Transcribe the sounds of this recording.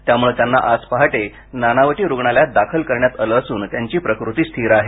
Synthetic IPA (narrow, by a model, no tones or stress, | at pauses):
t̪jamuɭet̪janːa̰ʔad͡zpaɦaʈe | nanaʋəʈiːɾuɡɳaljad̪akʰəlkəɾɳjat̪əlːsuːnt̪jaɲt͡ɕiːpɾəkɾut̪iːst̪ʰiɾaɦe